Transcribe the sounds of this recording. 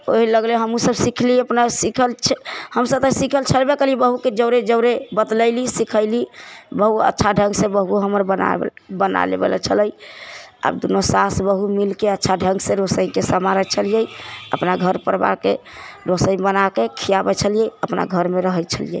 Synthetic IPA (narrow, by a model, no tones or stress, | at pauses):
oɦiləɡleɦəmusəbsikʰliəpnasikʰəlt͡ʃʰhəmsəb̚t̪əsikʰəlt͡ʃʰəlbekelibəɦuked͡ʒəʊɾed͡ʒəʊɾebət̪ləɪlisikʰəɪlibəɦuə̰tːʃʰaɖʱə̃ŋɡsẽbəɦuoɦəməɾbəna̰bəna̰lḛbḛlə̰t͡ʃʰələj | a̰bd̪unosasbəɦumilkeətːʃʰaɖʱə̃ŋɡseɾosəĩkesəmaɾət͡ʃʰəlijəjə̰pnaɡʱəɾpəɾba̰keɾosəĩbənakekʰijabɛt͡ʃʰəlijəəpna̰ɡʱəɾmeɾəɦət͡ʃʰəlijḛ